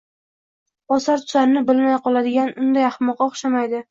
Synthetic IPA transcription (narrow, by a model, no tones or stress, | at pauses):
ɒsaɾt̪ʰʊ̥zaɾɪnɪbɪlmajqʰɒlad̪ɪɡʲanʊnd̪ajɑχmɒqɑɒχʃamajd̪ɪ